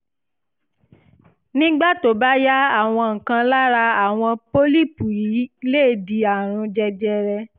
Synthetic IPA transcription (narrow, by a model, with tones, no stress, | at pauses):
nĩ˦ɡ͡ba˦˨to˨ba˦ja˦a˦˨w̃ɔ̃˧ŋ̩˨kã˧la˦ɾa˧a˦˨w̃ɔ̃˧po˦li˦˨pu˨ji˨˦leː˦˨di˧a˨ɾ̃ũ˧d͡ʒɛ˧d͡ʒɛ˧ɾɛ˧